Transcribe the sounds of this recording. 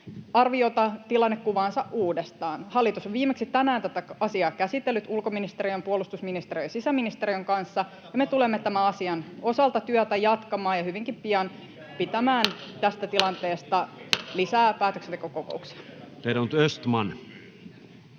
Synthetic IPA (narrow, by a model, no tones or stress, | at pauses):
ɑrʋiot̪ɑt̪ilɑnːekkːuʋɑːnsɑʔʔuːdest̪ɑːnhɑlːit̪usoʋʋiːmeksit̪ænæːnt̪æt̪ækɑsiɑːkæsit̪ːelːyt̪ulkominist̪eɾiømpuolust̪usminist̪erijsisæminist̪eɾiøŋkɑnsːɑ | jɑmet̪ulemːet̪æmæɑsiɑno̞sɑlt̪ɑt̪yœt̪æjɑt̪kɑmɑːjɑhyʋiŋkimpiɑn | pit̪æmæːnt̪æst̪æt̪ilɑnt̪eːst̪ɑlisæːpæːt̪øksent̪ekokoko̰uksi̥ɑt̪elnt̪øst̪mɑn